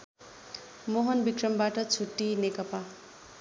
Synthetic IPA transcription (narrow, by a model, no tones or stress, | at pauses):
moɦʌnbikrʌmbaʈʌt͡sʰuʈːinekʌpa